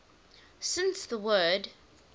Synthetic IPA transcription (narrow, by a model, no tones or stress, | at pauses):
sɪ̃nsðəwɜːd